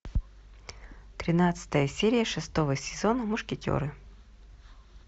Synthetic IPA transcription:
t̪ɾʲɪnat̪sɨ̥t̪əjəsʲeɾʲɪjəʂɨst̪o̞vəsʲɪzo̞nəmʊʂkʲɪtʲo̰ɾɨ

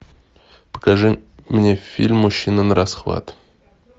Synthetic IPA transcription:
pə̥kaʐɨmnʲefʲḭlʲmːʊɕːinənəɾasχva̰t̪

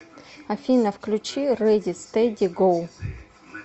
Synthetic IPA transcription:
ɐfʲinɐfklʲʊt͡ɕiɾɛdʲɪst̪ɛdʲiɡolˠ

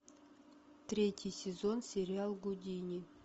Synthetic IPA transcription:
t̪rʲetʲɪjsʲɪzonsʲeɾʲɪalˠɡudʲinʲi

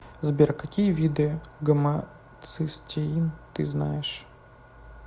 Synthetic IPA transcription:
zbʲerkɐkʲijəvʲid̪ɨɡəmɐ | t̪sɨsʲtʲeint̪ɨznajɪʂ

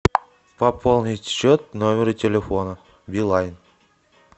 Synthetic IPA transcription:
pɐpʰolˠnʲɪtʲɕːot̪̚nomʲɪɾɨtʲɪlʲɪfonə | bʲilˠajn

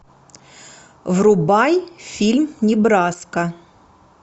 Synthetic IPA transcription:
vrʊbajfʲilʲmnʲɪbɾaskə

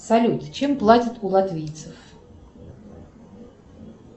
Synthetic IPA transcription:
salʲut̪ʰt͡ʃʰɛmplˠatʲit̪ʰʼulˠat̪ʰvʲijt̪sʰɨf

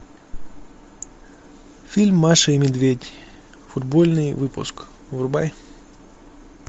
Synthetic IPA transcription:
fʲilʲmːaʂɨɪmʲɪd̪vʲedʲ | fʊd̪bolʲnɨjvɨpʊ̰sk | vʊrba̰j

